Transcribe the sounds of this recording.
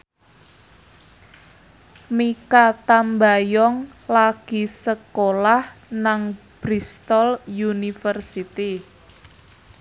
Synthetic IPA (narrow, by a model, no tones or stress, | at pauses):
mikat̪ambajɔŋlaɡ̥i̤səkolahnaŋb̥ɾist̪ɔljunifərsit̪i